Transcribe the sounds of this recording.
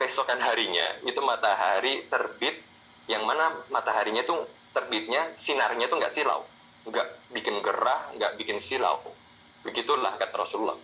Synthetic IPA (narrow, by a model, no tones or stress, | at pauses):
kəisokanɦaɾiɲa̰it̪umat̪aɦaɾit̪ərbɪt̪̚ | jaŋmanamat̪aɦaɾiɲat̪ut̪ərbɪt̪̚ɲasinarɲat̪uŋɡa̰ʔsila̰w | ŋɡaʔbikɪnɡəɾahŋɡaʔbikɪnsila̰w | bəɡit̪ula̰hkat̪aɾɔsululːɔ̰h